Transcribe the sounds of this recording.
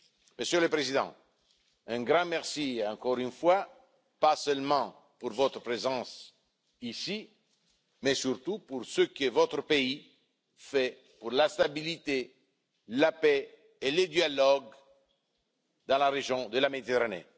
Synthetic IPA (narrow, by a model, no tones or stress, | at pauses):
məsjøləpɾezid̪ɑ̰̃ | ɛ̃ɡʁɑ̃mɛʁsiɑ̃kɔʁynfwa | pasœlmɑ̃ | puɾvɔt̪ɾəpɾezɑ̃s | isi | mɛsyɾt̪upuɾsəkəvɔt̪ɾəpei | fɛ | puʁlast̪abilit̪e | lapɛ | eləd̪jalɔɡ | d̪ɑ̃laʁeʒjɔ̃d̪əlamed̪it̪eʁanḛ